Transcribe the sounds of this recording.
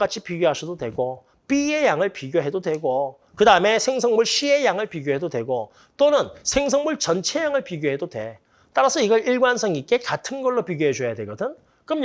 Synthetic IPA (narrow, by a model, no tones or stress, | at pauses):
k͈at͡ɕʰipiɡjoɦasʰʌdodwe̞ɡo | p͈iejaŋɯɭpiɡjoɦe̞dodwe̞ɡo | kɯdaɯme̞sʰe̞ŋsʰʌŋmuɭɕʰie̞jaŋɯɭpiɡjoɦe̞dodwe̞ɡo | t͈onɯnsʰe̞ŋsʰʌŋmuɭt͡ɕʌnt͡ɕʰe̞jaŋɯɭpiɡjoɦe̞dodwe̞̰ | t͈aɾasʰʌiɡʌɾiɭɡwansʰʌŋik͈e̞katʰɯnɡʌɭːopiɡjoɦed͡ʑojadweɡʌdɯn | k͈ɯm